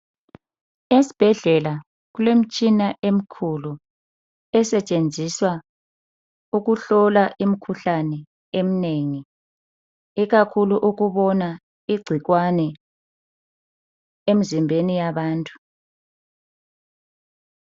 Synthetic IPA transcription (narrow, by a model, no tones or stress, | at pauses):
esi̥b̥ʱɛɮɛla | ɣulem̩t͡ʃʼinaʔem̩kʰulu | ɛsɛt͡ʃʼend͡zʱiswa | uɣuɬɔlaʔimikʰuɬanɛ | emineŋi | iɣakʰuluʔuɣuβɔna | iɡ͡ǀʱiɣwanɛ | em̩zimbʱenijaβaːntʼu̥